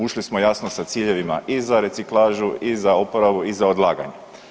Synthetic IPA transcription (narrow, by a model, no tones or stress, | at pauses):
uʃlismo̞jasnosat̪siːʎe̞ʋima̰ʔizaɾe̞t̪siklˠaːʒuizaopoɾaʋuizaod̪lˠaːɡa̰ɲe